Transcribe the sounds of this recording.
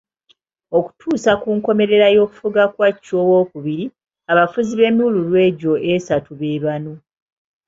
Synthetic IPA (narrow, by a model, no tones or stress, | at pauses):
o̞ku̥tʰuːsakuŋko̞me̞ɾe̞ɾajo̞ːku̥fuɡakwacːowo̞ːkuβiɾi | aβafuziβe̞ːmiuululwe̞ːɟo̞ʔesatuβeːβano